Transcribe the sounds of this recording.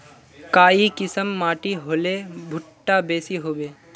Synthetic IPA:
kaːikɪsəmːaːʈiɦoːlebʱʊʈːabeːsiɦoːbeː

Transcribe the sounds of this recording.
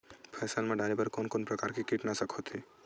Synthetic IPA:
pʰɛːsəlmẽɖaːɾebəɾkoːnkoːnpɾɐkaːɾkikiʈnasɐkʰot̪ʰi

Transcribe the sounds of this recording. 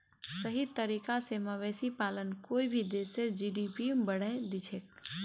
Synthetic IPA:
səɦit̪əɾiːkaseməʋɛːsipaːlənkoːibʱid̪eːsed͡ʒiːɖiːpibəɽ̤əed̪it͡ʃʰeːk

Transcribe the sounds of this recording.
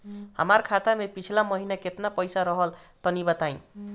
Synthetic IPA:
ha̰markʰat̪amepit͡sʰilamʌɦinaket̪napʌjsaɾʌɦʌl | t̪ʌnibʌt̪aj̃

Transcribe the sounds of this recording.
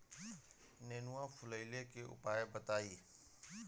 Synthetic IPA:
neːnuãːfʰʊləɪlekeʔʊ̰paːebət̪aːiː

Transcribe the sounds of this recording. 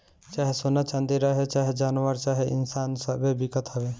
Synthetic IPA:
t͡ʃaːɦesonat͡ʃãnd̪iɾəɦet͡ʃaːɦed͡ʒaːnʋəɾt͡ʃaːɦeʔɪ̰nsaːnsəbebɪkət̪ɦəʋeː

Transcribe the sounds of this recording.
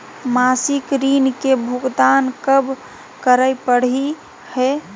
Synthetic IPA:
masikɾinkebʱuɡd̪ankəb | kəɾəjpəɽ̤i | hɛ

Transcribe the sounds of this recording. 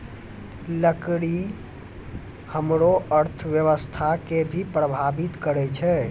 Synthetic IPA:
ləkɽi | həmɾoʔəɾt̪ʰəʋjəʋəst̪ʰakebʱipɾəbʱabit̪kəɾɛt͡ʃʰɛ

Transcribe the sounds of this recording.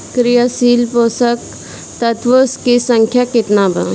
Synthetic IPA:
kɾijasiːlpoːsək | t̪ɐt̪ʋoskisə̃ŋkʰjakɪt̪nabʱə̰

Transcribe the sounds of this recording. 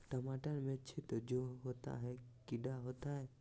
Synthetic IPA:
ʈəmaʈanmẽt͡ʃʰit̪ɔd͡ʒoɦot̪a̰ɦɛkiɖaɦot̪aɦɛ

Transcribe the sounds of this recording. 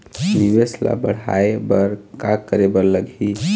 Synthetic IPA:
nibesla̰bəɽ̤a̰ebəɾkakəɾebəɾləɡʱi

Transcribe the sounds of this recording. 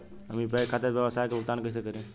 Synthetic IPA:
əmĩpəkʰaːt̪eɾbjəʋəsaːjkebʊk̚t̪aːnkəɪs̬ekəɾẽ

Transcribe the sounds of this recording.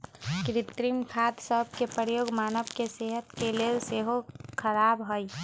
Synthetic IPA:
kɾɪt̪ɾimkʰaːt̪səb̚ʱkepəɾjoːɡmaːnəbkeseːɦət̪keleːlseɦokʰəɾaːbɦoi

